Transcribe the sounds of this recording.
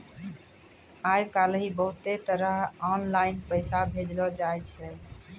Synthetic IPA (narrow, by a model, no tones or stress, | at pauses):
ajkalɦibəɦut̪et̪əɾəɦɔnlainpəjsabʱed͡ʒlɔd͡ʒajt͡ʃʰɛ